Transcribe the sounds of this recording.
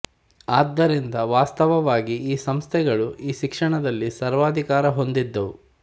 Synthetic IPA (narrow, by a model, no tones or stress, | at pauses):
aːd̪ːɐɾind̪ɐʋaːst̪ɐʋɐʋaːɡiiːsɐmst̪ʰɛɡɐɭuiːʃikʂɐɳɐd̪ɐlːisɐɾʋaːd̪ʱikaːɾɐɦo̞nd̪id̪ːɐʋu